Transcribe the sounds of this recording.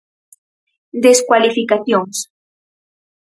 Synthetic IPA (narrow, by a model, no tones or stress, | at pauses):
d̪eskwalifikaθjoŋs